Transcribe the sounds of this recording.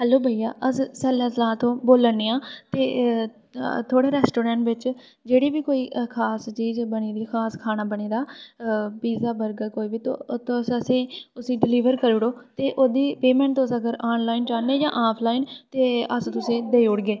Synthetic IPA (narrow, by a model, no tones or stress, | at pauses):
ɦɛːloːbʱəijaːʔəssɛːlɛ̃ːslãːt̪õːboːlənːeːãːt̪eː | t̪ʰoːɽeːɾɛːsʈoːɾɛ̃ːɳʈʋɪt͡ʃ | d͡ʒeːɽiːbiːkoːiːkʰaːst͡ʃiːd͡ʒbəñiːd̪iːkʰaːskʰaːnaːbəɽ̃iːd̪aː | biːzaːbəɾɡəkoːiːbiːt̪o̰t̪osəsẽːʊsĩːɖɪliːʋəɾkəɾʊɽoːt̪eːʔoːd̪iːpeːmɛ̃ːɳʈt̪õsəɡəɾaːnlaːind͡ʒaːneːd͡ʒã̰ːʔaːpʰlaːint̪eːəst̪ʊsẽːd̪eːʊɽɡeː